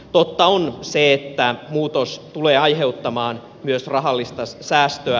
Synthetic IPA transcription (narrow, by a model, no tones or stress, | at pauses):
t̪ot̪ːɑonseet̪ːæmuːt̪ost̪uleːɑjɦe̞ut̪ːɑmɑːn | myøsrɑɦɑlːist̪ɑsæːst̪øæ